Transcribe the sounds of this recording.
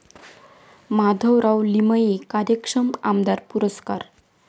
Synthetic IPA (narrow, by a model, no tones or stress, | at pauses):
mad̪ʱəwɾawliməikaɾjəkʂəmamd̪aɾpuɾəskaɾ